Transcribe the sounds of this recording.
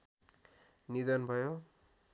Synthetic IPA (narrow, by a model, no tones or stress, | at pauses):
nidɔnbʱʌjo